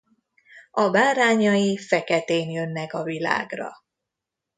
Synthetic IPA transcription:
ɒbaːɾaːɲɒjifɛkɛt̪eːnjønːɛkɒvila̰ːɡrɒ̰

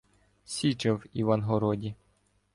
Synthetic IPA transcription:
sʲit͡ʃewḭʋɑnɦɔɾɔdʲi

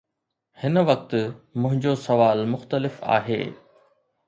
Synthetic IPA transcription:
hɪnʋɐk̚t̪mʊ̃ɦɪ̃ɲd͡ʑosɐʋaːlmʊxt̪əlɪfa̰ːɦḛː

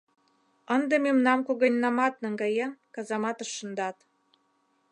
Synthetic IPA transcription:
ənd̪ĕmemnɑmkoɣə̆nʲːɑmɑt̪nə̆ŋɡɑjenkɑzɑmɑt̪əʃːə̆nd̪ɑt̪

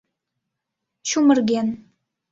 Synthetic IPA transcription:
ɕumə̆rɡʲen

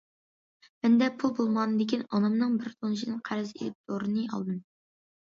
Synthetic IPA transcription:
mɛnd̪ɛpʰulˠbolˠmɑnɨd̪ɪkʲinɑnɨmnɨŋbɪɾt̪ʰonɨʃid̪ɨnqʰæɾzḛlɪp̚d̪̥oɾɨnɨɑ̰lˠd̪ɨm

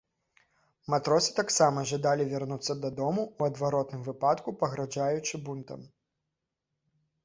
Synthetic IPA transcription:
mat̪ɾɔsʲɨ̥t̪aksamɐʐad̪alʲivʲarnut̪sːɐd̪ɐd̪ɔmuːɐd̪vaɾɔt̪nɨmvɨpat̪kupɐɣɾad͡ʐajut͡ʂɨbunt̪ɐ̰m

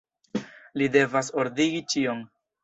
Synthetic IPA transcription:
lide̞vaso̞ɾdiɡit͡ʃio̞n

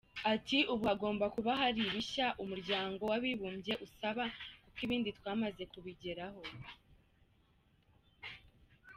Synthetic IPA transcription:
atiuβuhaɡo̞ːmbakuβaɦaɾiɾiɕaʔumuɾɟaːŋɡo̞waβiβuːmbje̞ʔusaβakukiβiːnditwaːmaze̞kuβiɟe̞ɾaho̞

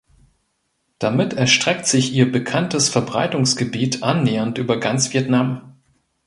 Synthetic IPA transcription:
d̥amɪtʰɛɐʃtʁ̥ɛk̚tz̥ɪçʔiːɐbəkʰantəsfɛɐbʁaɪtʊŋsɡ̥əbiːtʰʔanːeːɐəntʔyːbɐɡant͡sv̥iɛtnam

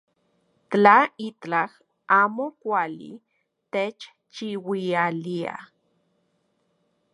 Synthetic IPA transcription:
tlaitah | aːmokʷalḭ | t̪et͡ʃ | t͡ʃiwialia̰

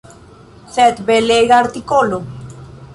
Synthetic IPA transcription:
sɛt̪belejɣaɾt̪ikolo

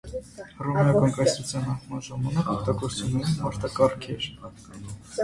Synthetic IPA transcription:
rumɛjɑkɔnk̪ɾɛsut͡sʰjɑnhɑnt̪ʰmɑʒɑmɑnɑkɔkt̪ɑɡɔɾt͡sunɛɾunmɑɾt̪ɑkɑrkʰɛɾ

